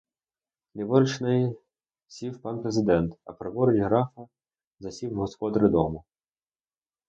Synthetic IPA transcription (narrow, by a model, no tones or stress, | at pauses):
nʲɛʋɔɾɪt͡ʃnɪj | sʲiwpɑnpɾezɪd̪ɛnt̪ɐ̰pɾɔbɔɾɪtʲɦɾɑfɐ | zɐsʲiwɦɔspɔd̪ɾɪd̪ɔmʊ